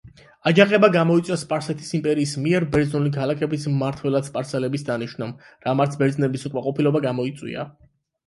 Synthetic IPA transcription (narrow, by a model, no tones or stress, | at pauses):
ad͡ʒaχʼɛbaɡamɔit̪sʼaspʼaɾsɛt̪ʰi̥simpʼɛɾiːsmiɛɾbɛɾd̪znulikʰalakʰɛbismaɾt̪ʰwɛlˠad̪spʼaɾsɛlɛbisd̪aniʃnam | ɾamaɾt̪sʰbɛɾd̪znɛbisukʼmaqʼɔpʰilɔbaɡamɔit̪sʼwḭa̰